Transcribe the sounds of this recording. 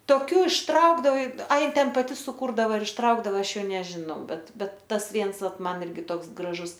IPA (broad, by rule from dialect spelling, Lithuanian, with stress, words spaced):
toːˈkʲuː ɪʃˈtrɐʊɡdɐʋɐɪ ɐ ˈjɪ ˈtʲɛn pɐˈtʲɪ sʊˈkuːrdɐʋɐ ɪr ɪʃˈtrɐʊɡdɐʋɐ ˈɐʃ ˈjɛʊ nʲɛʒʲɪˈnɐʊ ˈbʲɛt ˈbʲɛt ˈtɐs ˈʋʲiɛns ˈʋɐt ˈmɐn ˈɪrʲɡʲɪ ˈtoːks ɡrɐˈʒʊs